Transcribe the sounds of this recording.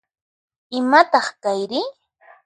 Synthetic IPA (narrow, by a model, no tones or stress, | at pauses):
ɪmat̪ɑχkajɾɪ